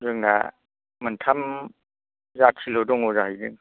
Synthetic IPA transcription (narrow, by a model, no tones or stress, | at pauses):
zɯŋna̰ | mɯntʰam | zatʰilɔdɔŋɔzahɯjdɯŋ